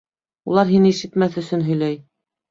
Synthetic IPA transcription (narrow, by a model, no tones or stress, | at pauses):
ulˠɑɾɦinɘiʃɘ̆t̪mæθɵ̆sɵnɦɵ̆jlæj